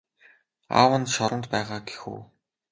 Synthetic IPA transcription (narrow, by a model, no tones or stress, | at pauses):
a̰wə̆nt̪ʃɔɾə̆nt̪pæːʁaːɡe̥xṵː